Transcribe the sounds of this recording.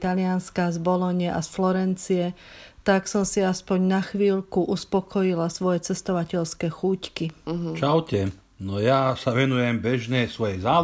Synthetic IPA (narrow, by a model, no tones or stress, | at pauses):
t̪alɪanskazbɔlɔɲɛʔasflɔɾɛnt͡siɛt̪aksɔmsiaspɔɲnaxʋiːʎkuʔuspɔkʰɔjilasʋɔjɛt͡sɛst̪ɔʋacɛʎskɛxuːckit͡ʃaʊcɛ | nɔjasaʋɛnujɛmbɛʒnɛːsʋɔjɛzaː